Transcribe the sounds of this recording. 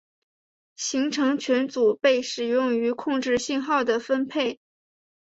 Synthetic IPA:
ɕi˧˥ŋʈ͡ʂʰɤ˧˥ŋt͡ɕʰɥɛ˧˥nt͡su˨˩pe˥˩ɪʂɻ̩˨˩jʊ˥˩ŋy˧˥kʰʊ˥˧ŋʈ͡ʂɻ̩˥˧ɕi˥˧nxɑ˥˩ʊd̪ə˩fə˥npʰe˥˩ɪ

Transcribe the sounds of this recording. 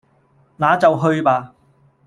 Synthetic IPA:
naː˨˧t͡sɐ˨wɦɵ˧ɥpaː˨˧

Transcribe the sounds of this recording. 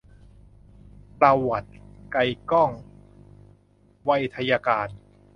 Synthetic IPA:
t̪a˧wwa˨˩t̪̚ka˧jkɔ˥˩ŋ | wa˧˥˩jt̪ʰa˧jaː˧kaː˧n

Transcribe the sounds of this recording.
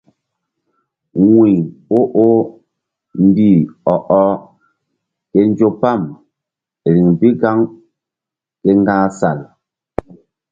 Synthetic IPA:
ŋwi˨ŋo˦ʔo˦ | m̩˨˦bi˦˨ɔ˨ʔɔ˦ | kɛ˦n˦d͡ʒo˦pa˦˨m | e˨ɾi˨ŋbi˦ɡa˦ŋ | kɛ˦ŋ˦ɡaː˦sa˨l

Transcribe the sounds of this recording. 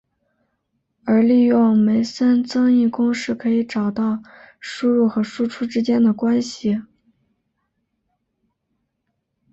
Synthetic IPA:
ə˞˧˥li˥˧jʊ˥˩ŋme˧˥ɪsə˥nt͡sɤ˥ŋi˥˩kʊ˥ŋʂɻ̩˥˩kʰɤ˧˥i˧˥ʈ͡ʂɑ˨˩ʊt̪ɑ˥˩ʊ | ʂu˥ɻu˥˩xɤ˧˥ʂu˥ʈ͡ʂʰu˥ʈ͡ʂɻ̩˥t͡ɕjɛ˥nd̪ə˨kwa˥nɕi˨˩

